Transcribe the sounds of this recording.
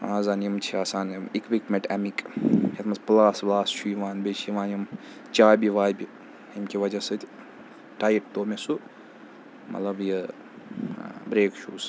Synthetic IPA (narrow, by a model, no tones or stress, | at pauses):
aːzaːnjimt͡ʃʰiaːsaːnimikʋikmeʈɛmikkʰet̪mɐsplaːsʋlaːsʃʰuːʋaːnbet͡ʃʰiʋaːnjim | t͡ʃaːjbiʋaːjbʲi | imkʲiʋɐd͡ʒɐsɨt̪ʲ | ʈaːjiʈ̚t̪oːmesu | mɐ̰t̪lɐbji | bɾeːkʃuːs